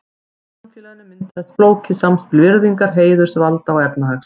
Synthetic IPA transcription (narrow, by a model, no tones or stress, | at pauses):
anfjɛlaðɪnːɪmɪnt̪θɛsfloːwcʰɪsamspɪlvɪɾðiŋkaɾ̥ɦeːjðʏɾ̥sɛvalt̪awɛpnaɦaks